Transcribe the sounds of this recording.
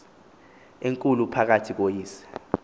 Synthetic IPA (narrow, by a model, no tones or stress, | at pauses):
eŋkʼulupʰak̬atʰik̬ojiːsḁ